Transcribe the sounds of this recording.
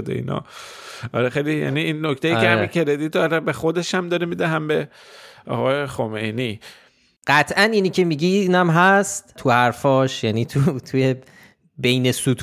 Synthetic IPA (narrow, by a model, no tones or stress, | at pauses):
d̪ḛḭːnɒ̰ | ɒ̰ɾexejlijæ̰niːnːokt̪ejiːeæikʰeɾed̪it̪ːɾebexod̪e̞ʃæmd̪ɒɾemid̪æɦæmbe | ɒ̰ɣɒːjexomejni | ɢ̥æt̪ʰʔæniːniːcʰe̞miːɟinæmɦæst̪ʰuhæɾfɒːʃjæːniːt̪ʰut̪ʰuje | be̞jne̞sut̪ʰ